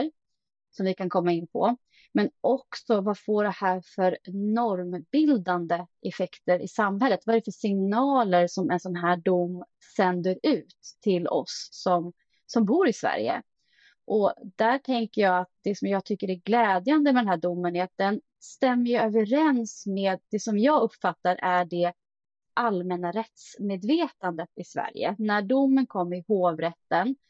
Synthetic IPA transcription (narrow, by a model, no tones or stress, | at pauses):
ɾ | sɔmvɪkʰankʰɔmːaɪnːpʰɔ̰ | mɛnʔɔksɔvafoːɖɛhæːɾfœɾnɔɾmbɪld̪and̪əʔɛfɛkt̪əɾʔɪ̰samɦɛlːət̪vaɛɾɛfœʂɪŋnɑːləɾsɔmɛnsɔnɦæːɖʊmː | sɛnd̪əɾʉ̟ːt̪ʰːɪlɔ̰sːɔm | sɔmbuːɾɪsvæ̰ɾjə̰ | ʔɔd̪æʈʰɛŋkəjɑːat̪̚d̪̥ɛsɔmjɑːɡt̪ʰʏkːəɾæɡlɛːd̪jand̪əmɛd̪ɛnɦæːɖʊmːənɛɾat̪̚d̪ɛn | st̪ɛmːəjɵøːvəɾɛnsmeːd̪̚ːɛsɔmjɑːɡɵpːfat̪ːaɾʔæɖɛ | ʔalmɛnaɾɛt̪smeːd̪veːt̪and̪ət̪ɪsvæ̰ɾjə̰næɖʊmːənkʰɔmːəɾɪhoːvɾɛt̪ːən